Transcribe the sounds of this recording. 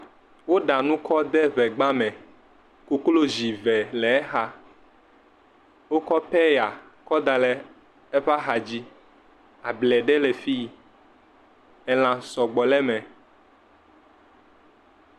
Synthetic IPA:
wo˦ɖa˨nũ˦kɔ˦d̪ɛ˦βɛ˨ɡ͡ba˦mɛ̃˨ | ku˦klo˦zi˨vɛ˨lɛ˨ɛ˦xa˦ | wo˦kɔ˦pɛ˦ja˨ | kɔ˦d̪a˨lɛ˨ | ɛ˦ɸa˦xa˨d͡ʑi˦ | a˨blɛ˨ɖɛ˦lɛ˨fi˦˨ | ɛ˨l̃ã˨sɔ˨ɡ͡bɔ˨lɛ˦mɛ̃˨

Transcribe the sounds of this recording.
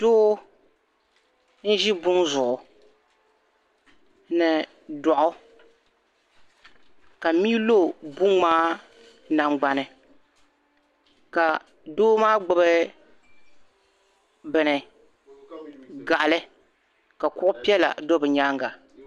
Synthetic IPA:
doː˦ | n̩˦ʒi˦bʊ˦nzʊ˨ʔʊ˨ | nɨ˨ | dɔ˨ʔʊ˦ | ka˨mi˦lo˦˨bʊ˦ŋmaː˦ | na˨ŋ͡mɡ͡ba˨nɨ˨ | ka˨ | doː˦maː˦ɡ͡bɨ˨bɨ˦ | bɨ˨nɨ˨ | ɡa˨ʔa˨lɨ˦ | ka˨kʊ˦ʔʊ˦pi˦ɛ˦la̰˨do˦bɨ˨ɲaː˦ŋɡa˨

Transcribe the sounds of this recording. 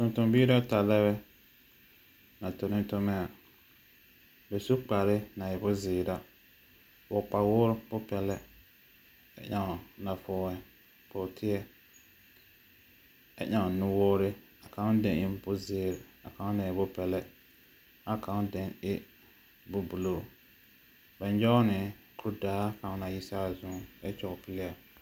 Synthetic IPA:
tʊ˨n˨tʊ˨mbi˦da˦ta˨lɛ˦βɛ˦ | na˨tʊ˨nɪ˦tʊ˦mɛ˦a˨ | bɛ˨su˦k͡pa˨ɾɪ˦na˨jɪ˨bʊ˦zɪː˨ɾa˦ | wʊ˨k͡pa˨wʊ˦ɾbʊ˦pɛ˨lɛ˦ | ɛ̰˨ɲa˦ŋ˨na˨fʊː˦wɛ˦ | bʊ˨tʰɪ˦ɛ˦ | a̰˦ɲa˨nʊ˦woː˦ɾɪ˦ | a˨ka˨˦dɛ˨nɪ˦mbʊ˦zɪː˦˨ɾa̰˨kã˨˦na˨ɪ˨bʊ˦pɛ˨lɛ˦ | a˦ka˨˦ŋ˦dɛ˦ŋɪ˦ | bʊ˦bu˨lo˨ | ba˨n˦d͡ʒɔ˦nɪ˨ | kʊ˨˦ʊ˦daː˦ka˨˦na˨ji˦sa˦˨zʊ˦ŋɛ̰˦t͡ʃʊ˨ɣʊ˨pɪ˦lɪ˦a˨

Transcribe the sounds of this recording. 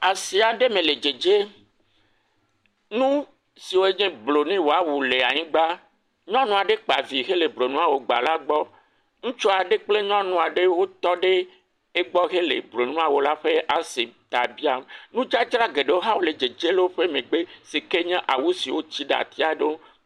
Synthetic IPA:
a˨si˨a˨ɖe˦mẽ˨le˨d͡ʒe˨d͡ʒe˦ | nũ˦ | si˨wo˦e˦ɲẽ˦blo˨nĩ˦wo˨a˨˦wu˨le˨a˨ɲĩ˦ɡ͡ba˦ | ɲɔ̃˦nũ˨a˨ɖe˦k͡pa˨vi˨ɣe˦le˨blo˨nũ˦a˨wo˨ɡ͡ba̰˨la˦ɡ͡bɔ˦ | ŋũ˦t͡ʃɔ˦a˨ɖe˦k͡ple˦ɲɔ̃˦nũ˨a˨ɖe˦wo˦t̪ɔ˦ɖe˦ | e˦ɡ͡bɔ˦ɣe˦lḛ˨blo˨nũ˦a˨wo˨la˦ɸe˦ʔa˨se˨t̪a˨bi˦a˨m˨nũ˦d͡ʒa˦d͡ʒɾa˦ɡe˨ɖe˦wo˦ɦa˦wo˦le˨d͡ʒe˨d͡ʒe˦le˦wo˦ɸe˦mẽ˨ɡ͡be˦se˨ke˦ɲẽ˦ʔa˨wu˦si˨wo˦t͡ɕi˦ɖa̰˨t̪i˦a˨ɖe˦

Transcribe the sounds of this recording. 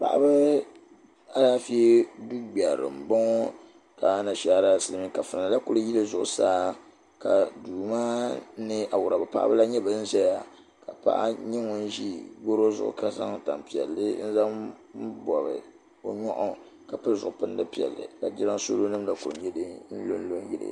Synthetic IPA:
pa̰˨ʔa̰˦bɨ˦ | a˦laː˦fi˦e˦du˦ɡ͡ba˨ɾɨ̰˨m̩˨bɔ˦ŋ˦ | ka˨˦na˨ʃa˦ɾa˦sɨ˦lɨ˦mi˦ka˨fɨ˨na˨la˦kʊ˦lɨ˦ji˦lɨ˦zʊ˦ʔʊ̰˨˦saː˦ | ka˨duː˨ma˦nɨ˦ʔa˨wʊ˨ɾa˨bɨ˨pa̰˦ʔa̰˦bɨ˦la˦ɲɛ˦bɨ˨˦n̩˦zɛ˦ja˨ | ka˨pa̰˦ʔa̰˦ɲɛ˦ŋɔ˨n˦ʒi˦bo˦ɾo˦zʊ̰˦ʔʊ̰˦˨ka˨za̰˦ŋ˦˨ta̰˨m˨pi˨ɛ̰˨lːɨ˦n̩˦za˦m̩˦bɔ˨bɨ̰˨ | o˨ɲɔ̰˦ʔɔ˨ | ka˨pɨ˦lzʊ˨ʔʊ˨pɨ˦ndɨ˦pi˨ɛ̰˨lːɨ̰˨la˨dɪ˦ɾa˦nso̰˦lo˦nɨ˦mla˦ku˨ɾ̰ɲɛ˦dɨ˦n̩˦lo˦n̩˦lo˦n˦jɪ˦lɨ̰˨

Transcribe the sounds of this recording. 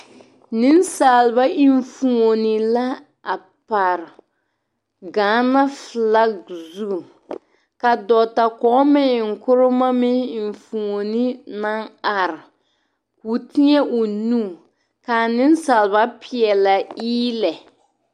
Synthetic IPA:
nɪ˦nsaː˨lba˦ʔi˦ɱfu˨ŋo˨nɪ˨la˦ | a˨ | pa˨ɾ | ɡaː˨˦na˦fla˦ɡzu˦˨ | ka˨dɔ˨ta˨kɔː˨˦mɪ˦˨ŋ̩˨kʊ˦ɾʊ˦ma˦mɪ˦i˨ɱ˨fu˨ŋo˨nɪ˦na˦ŋa˨ɾɪ˨ | ku˨˦ti˦ɲɛ˦ʔʊ˨nu˦˨ | kaː˨nɪ˦nsaː˨lβa˦pɪ˨ɛ˨la˨iː˦lɛ˨

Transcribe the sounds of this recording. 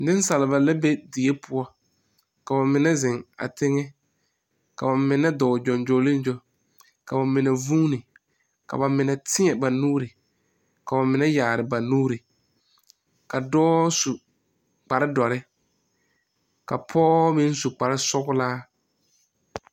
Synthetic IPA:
nɪ̃˦n˦sa˨lɪ˨ba˨la˦be˦di˨e˦pʰʊ˦ɔ˦ | ka˨ba˨mɪ˨nɛ˦zɪ˨ŋa̰˨tɪ˦ŋɛ˦ | ka˨ba˨mɪ˨nɛ˦dɔː˨d͡ʒɔ˨nd͡ʒo˨lɪ˦n˦d͡ʒo˦ | ka˨ba˨mɪ˨nɛ˨vuː˦nɪ˨ | ka̰˨ba˨mɪ˨nɛ˨tʰɪ˦ɲɛ˨ba˨nuː˦ɾɪ˨ | ka˨ba˨mɪ˨nɛ˦jaː˨ɾɪ˨ba˨nuː˦ɾi˨ | ka˨dɔː˦su˨ | k͡pa˨ɾɪ˦dɔ˨ɾɪ˦ | ka˨pʰɔː˦mɪ̃˦n˦su˨k͡pa˨ɾɪ˦sʊ˦ɣʊ˦laː˦

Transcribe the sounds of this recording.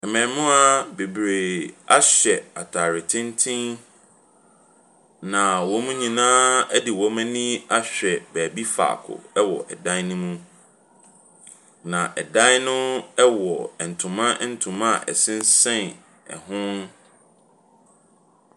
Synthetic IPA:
ɛ˨mɛ̃˨nmʊ̃˦a˨be˨bɾe˨a˦ɕᶣɛ˨a˨tʰa˨ɾɪ˨tʰɪ̃˦ntʰĩ˦n | nã˨wɔ˨˦mũ˦ɲĩ˨nãː˦ɛ˦dɪ˨wɔ˦mɛ̃˦nĩ˦a˦ɕᶣɛ˨bæː˨bi˦fa̰ː˨kʰʊ̰˨ɛ˦wɔ̰˨ʔɛ̰˨dã˦n˦nũ˦mũ˦ | nã˨ʔɛ˨dã˦nʊ̃˦ɛ˦wɔ˨ɛ˨n̩˨tʰʊ̃˨mã˦n̩˨tʰʊ̃˨mã˦˨ʔɛ̰˨sɪ̃˦n˦sɛ̃˦˨n | ɛ̰˨ɦʊ̃˦n

